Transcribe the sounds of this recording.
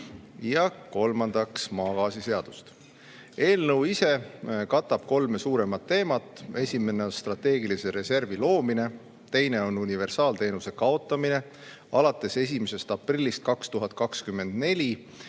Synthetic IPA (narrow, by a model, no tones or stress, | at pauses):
jɑko̞lmɑnd̪̥ɑksmɑːkɑːsise̞ɑd̪̥u̥st̪ | e̞ːlnɤwise̞kɑt̪ˑːɑb̥ko̞lmesuːɾe̞mɑt̪ːe̞ːmɑt̪ːˑe̞sʲime̞neonst̪ɾrɑt̪ːe̞ːɡilise̞ɾe̞se̞rvilo̞ːmine̞ | t̪e̞jne̞o̞nunive̞rsɑːlt̪e̞ːnuse̞kɑo̞t̪ːˑɑmine̞ | ɑ̰lɑt̪ːˑe̞se̞s̬ʲime̞se̞st̪ɑprilʲːist̪̚kɑkst̪uɦɑt̪̚ˑkɑkskymːe̞nd̪̥ne̞lʲi